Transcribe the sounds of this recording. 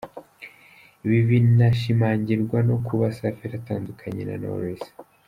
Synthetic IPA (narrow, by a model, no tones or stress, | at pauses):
iβiβinaʃimaːɲɟiɾɡwano̞kuβasafiɾataːndukʰaɲe̞̰na̰no̰ɾoese̥